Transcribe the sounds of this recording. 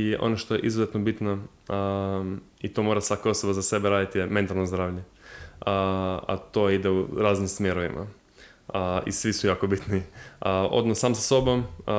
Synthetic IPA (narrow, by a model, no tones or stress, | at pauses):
iʔo̞̰noʃt̪o̞jḛʔizuzet̪nobit̪na | it̪o̞moɾasʋakaoso̞bazase̞beɾaːd̪it̪jeme̞nt̪alˠnozd̪ɾaːʋʎe | a̰t̪oid̪euɾaːznimsmjeɾoʋḭmʔa̰ | ḭsʋisujaːkobit̪niəo̰d̪nosaːmsaso̞bom